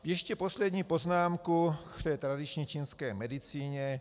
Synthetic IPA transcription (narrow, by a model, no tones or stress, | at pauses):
jɛʃcɛpɔslɛd̪ɲiːpɔznaːmkukft̪ɛjt̪ɾad̪it͡ʃɲɛt͡ʃiːnskɛjmɛd̪it͡siːɲɛ